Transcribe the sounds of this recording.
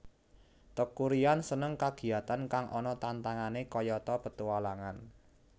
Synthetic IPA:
t̪əkuɾiansənəŋkaɡ̥i̤at̪ankaŋʔɔnɔt̪ant̪aŋanekɔjɔt̪ɔpət̪uwalaŋan

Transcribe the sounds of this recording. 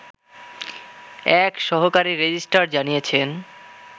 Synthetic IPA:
ɛkʃɔɦokaɾiɾed͡ʑisʈaɾd͡ʑanijet͡ɕʰen

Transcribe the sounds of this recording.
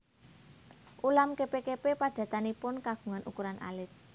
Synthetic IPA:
ʔulamkepekepepad̥ä̤t̪anipʊnkaɡ̥ṳŋanʔṵkuɾanʔa̰lɪt̪̚

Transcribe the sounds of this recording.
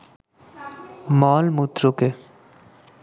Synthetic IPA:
mɔːlmut̪ɾoke

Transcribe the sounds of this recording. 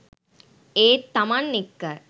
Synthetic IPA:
eːt̪ːɐmɐnːɪkːɐɾ

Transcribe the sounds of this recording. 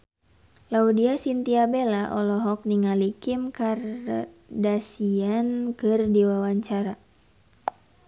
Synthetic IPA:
laudiasint̪iabelaʔɔlɔɦɔk̚niŋalikimkar | dasiankɨrdiwawaɲt͡ʃaɾa

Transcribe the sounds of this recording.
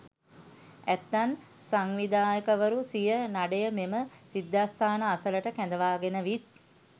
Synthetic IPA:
æt̪ːan | saŋʋid̪aːjəkəʋəɾusijənaɖəjəmeməsid̪ːaːst̪ʰaːnəasələʈəkɛnd̪əʋaːɡenəʋit̪̚

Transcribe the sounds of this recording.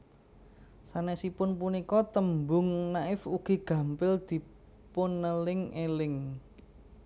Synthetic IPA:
sanɛsipʊnpunikɔt̪əmbʊŋnaɪfuɡ̥i̤ɡ̥ä̤mpɪld̪̥i̤ | pʊnəlɪŋelɪŋ

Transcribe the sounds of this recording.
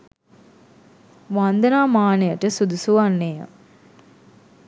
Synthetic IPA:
ʋand̪ənaːmaːnəjəʈəsud̪usuʋanːea̰

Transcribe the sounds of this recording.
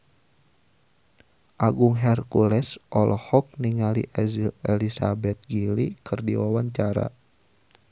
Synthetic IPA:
ʔaɡuŋɦɛrkulɛsʔɔlʔɔhɔk̚niŋaliʔɛzilɛlisabɛt̪̚ɡilikɨrdiwawaɲt͡ʃaɾa̰

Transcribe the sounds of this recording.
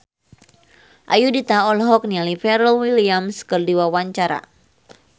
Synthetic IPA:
ʔa̰judit̪aɔlɦɔk̚nialifɛɾəlwiliamskərdiwawaɲt͡ʃaɾa̰

